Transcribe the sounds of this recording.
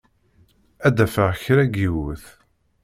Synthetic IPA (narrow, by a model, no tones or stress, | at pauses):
æd̪æfəʁçɾæɡiwəθ